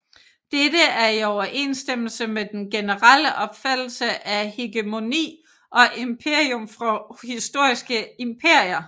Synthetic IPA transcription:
d̥ed̥əæɐiɒʊɐʔe̝̰ːnsd̥em̰l̩səmed̥enɡ̥e̝nəʁal̰əʔɒ̽b̥fæd̥l̩səʔæhe̝ɡ̥əmo̝nḭː | ʔɒ̽ʔempʰe̝ɐ̰iomfʁɒhisd̥o̝ɐ̰isɡ̥əimpʰe̝ɐ̰jɐ

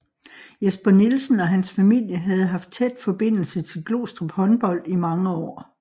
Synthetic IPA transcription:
jesb̥ɐnilsn̩ɒ̽ɦænsfæmil̰jəɦæð̞̩ˠɦɑ̈fd̥̚t͡sʰed̥fɒ̽b̥e̝n̰l̩sət͡sʰe̝lɡ̥lo̝̰ːsd̥ʁɐb̥hɒ̽nb̥ɒ̽l̰d̥imɑ̈ŋəɒ̰ː

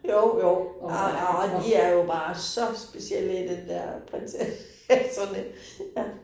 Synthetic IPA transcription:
joʊjoʊ | ɒd̥iæɐjo̝b̥ɑ̈ːsɒ̽sb̥esiel̰id̥end̥ɛɐ̰pʰʁɛnse | sɒnə | jæ

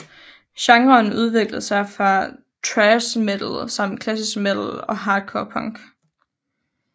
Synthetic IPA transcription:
ɕɑ̈ŋʁɐːnuð̞ˠʋe̝ɡ̥lð̩ˠsɑ̈ɪfʁɑ̈ | t͡sʰʁɛsmed̥l̩sɑ̈m̰d̥kʰlæsisɡ̥med̥l̩ɒ̽ɦɑ̈ːd̥kʰɒːpʰɑŋɡ̥

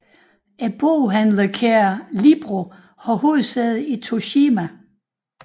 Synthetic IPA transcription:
æb̥oɦænlɐkʰæɐlib̥ʁo | hɒho̝ːð̩ˠsɛð̩ˠit͡sʰo̝ɕiːmæ

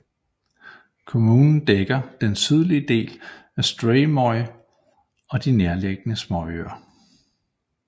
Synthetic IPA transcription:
kʰo̝muːnn̩d̥eɡ̥ɐd̥ensið̞ˠliəd̥e̝̰ːlæsd̥ʁɛɪmɒɪ | ɒ̽d̥ineɐleɡ̥ənəsmɒø̰ɐ

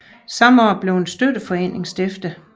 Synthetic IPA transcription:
sɑ̈mɒːb̥le̝ʊensd̥ød̥əfɒ̽e̝̰ːne̝ŋsd̥e̝fd̥ə

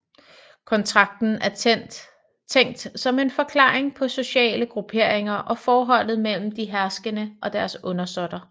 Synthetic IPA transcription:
kʰɒ̽nt͡sʰʁɑ̈ɡ̥̚d̥n̩æɐ | t͡sʰeŋ̰d̥sɒ̽me̝nfɒ̽kʰlɑ̰̈ːeŋpʰɒ̽so̝ɕɛ̰ːləɡ̥ʁupʰe̝ɐ̰eŋɐʔɒ̽fɒːɦɒ̽l̰ð̞̩ˠmel̰m̩d̥iɦæɐsɡ̥ənəʔɒ̽d̥æɐsɔ̽nɐsɒ̽d̥ɐ

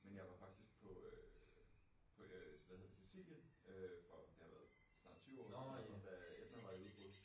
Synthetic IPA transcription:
menjɑ̈ɪʋɑ̈fɑ̈ɡ̥̚d̥isɡ̥̚pʰɒ̽ø | pʰɒ̽sʋæhe̝ð̰ˠsesḭl̰jənøfɒd̥e̝hɑ̈ʋæɐðˠ | snɑ̥̈t͡sʰyːʊɒ̰ːsɒnd̥æed̥ɐʋɑ̈uðˠb̥ɔðˠ

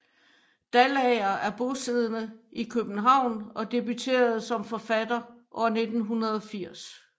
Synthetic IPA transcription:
d̥ælɛɪɐæɐb̥o̝se̝ð̞ˠənəikʰøb̥n̩ɦɑ̈ʊ̰nɒ̽d̥e̝byt͡sʰe̝̰ːɐð̞̩ˠsɒ̽mfɒ̽fæd̥ɐʔɒɐne̝d̥n̩ɦunɐð̞ˠɒ̽fiɐ̰s

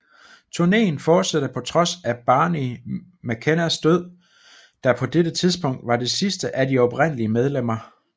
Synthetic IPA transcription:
t͡sʰuɐne̝̰ːn̩fɒːd̥sæɾ̥əpʰɒ̽t͡sʰʁɒ̽sæb̥ɑ̈ːni | mækʰenæsd̥øð̞̰ˠ | d̥ɑ̈pʰɒ̽d̥eɾ̥ət͡sʰiðˠsb̥ɔ̽ŋ̰d̥ʋɑ̈d̥e̝sisd̥əʔædiɒ̽b̥ʁen̰əliəmeð̞ˠlem̰ɐ

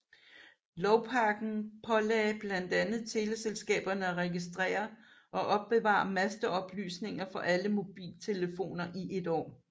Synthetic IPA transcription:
lɒʊpʰɑ̈ːɡ̥n̩pʰɒ̽lɛ̰ːb̥læn̰d̥ænð̞̩ˠt͡sʰe̝ləselsɡ̥ɛ̰ːb̥ɐnəæʁɛɡisd̥ʁɛ̰ːɐ | ʔɒ̽ʔɒ̽b̥ːe̝ʋɑ̰̈ɑmæsd̥əɒ̽b̥ly̰ːsne̝ŋɐfɒ̽ʔæləmo̝b̥ḭːlt͡sʰe̝ləfo̝̰ːnɐʔiʔe̝d̥ɒ̰ː

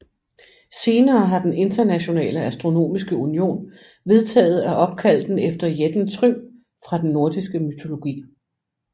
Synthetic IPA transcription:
se̝ːnɐːɦɑ̈d̥ene̝nd̥ɐnæɕo̝nɛ̰ːləæsd̥ʁo̝no̝̰ːmisɡ̥əunio̝̰ːn | ʋe̝ð̞ˠt͡sʰɛ̰ːð̞̩ˠæʔɒ̽b̥̚kʰæl̰d̥en̩efd̥ɐjed̥n̩t͡sʰʁym | fʁɑ̈d̥enːo̝ɐd̥isɡ̥əmyt͡sʰo̝lo̝ɡ̥ḭː

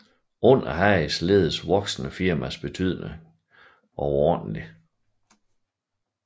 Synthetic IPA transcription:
ɔ̽n̰ɐɦæɪsle̝ːð̞ˠəsʋɒ̽ɡ̥snəfiɐmæsb̥e̝t͡sʰy̰ð̞̰ˠne | ʔɒʊɒd̥n̩li

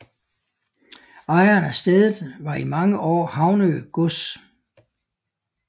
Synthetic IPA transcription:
ɑ̈ɪɐnæsd̥eðˠð̩ˠʋɑ̈imɑ̈ŋəʔɒ̰ːhɑ̈ʊnøɡ̥ɔs

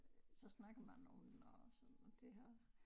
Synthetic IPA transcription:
sɒ̽snɑ̈ɡ̥ɐmænɒ̽menɒsɒd̥e̝ɦæɐ̰

